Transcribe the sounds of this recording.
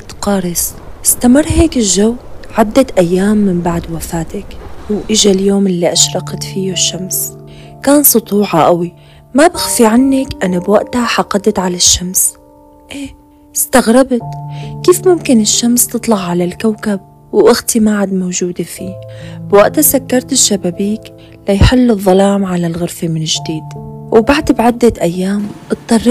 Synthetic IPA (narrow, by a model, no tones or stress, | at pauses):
t̪qɑːɾˤɪsʔɪst̪amɪrˤːheːkɪlʒawʕad̪ːat̪ʔajːaːmːɪmbaʕd̪wafaːt̪akwʔɪʒaljoːmʔɪlːiʔaʃɾˤɑqt̪fijuʃːams | kaːnsˤʊt̪ˤuːʕɑʔawi | mabaxfiʕanːɪkʔanabwaʔt̪aħɑqɑd̪t̪ʕalaʃːams | ʔeː | st̪aɣɾɪbt̪kiːfmʊmkɪnɪʃːamst̪ɨt̪ˤlɑɣʕalalkawkab̚ | wʔɪɣt̪imaʕad̪mowʒuːd̪efiːbwaʔt̪asakːɑɾˤt̪ɪʃːababiːk | lajħɪlːɨðˤːɑlaːmʕalalɣʊɾfimɪnɪʒd̪iːd̪wbaʕd̪bʕad̪ːat̪ʔajːaːmʔɨt̪̚ˤːɑrˤː